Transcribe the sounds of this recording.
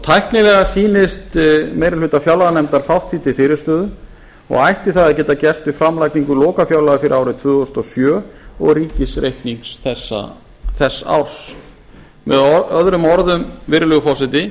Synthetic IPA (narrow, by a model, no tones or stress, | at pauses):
t̪ʰajhknɪlɛɣasiːnɪst̪mejɾɪlʏːt̪afjawlaðanɛmt̪aɾ̥fawht̪ʰːiːt̪ʰɪlfɪːɾɪɾ̥st̪œːðʏ | ɔ̰ɣajht̪ɪθaðacɛːt̪acɛst̪ʏfɾamlajkniŋkʏlɔːkafjawlaðʏfɪɾɪ̰ɾawɾɪt̪ʰvʏːɣɔst̪ɔsjœːɔɣriːcɪsɾejhkniŋksθɛsːa̰ | θɛsːa̰wɾ̥s | mɛ̰ðœðɾʏmɔɾðʏmvɪɾlʏɣfɔsɛt̪ɪ